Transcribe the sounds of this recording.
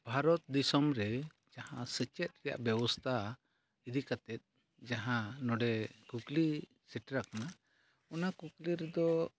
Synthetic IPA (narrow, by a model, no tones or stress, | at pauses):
bʱaɾɔt̪̚d̪isɔmɾɛ | d͡ʒahãsət͡ʃɛt̪̚ˀɾɛja̰ʔbɛbɔst̪ʰa | id̪ikat̪ɛt̪̚ˀ | d͡ʒaɦãnɔɖɛkukli | sɛʈɾakana | ɔnakukliɾɛd̪ɔ